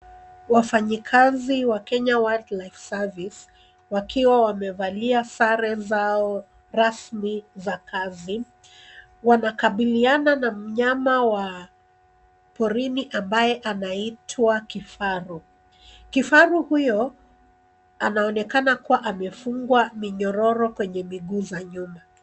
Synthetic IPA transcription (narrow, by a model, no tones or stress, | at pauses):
wafaɲikʰaziwakɛɲawadlajfsavis | wakiwawamɛvaliasaɾɛzaɔ | ɾasmizakʰazi | wanakaɓiliananam̩ɲamawa | pɔɾiniʔambajɛʔanaitʰwakifaɾu | kifaɾuhujɔ | anaɔnɛkanakuwaʔamɛfuŋɡwamiɲɔɾɔɾɔkwɛɲɛmiɠuːzaɲuma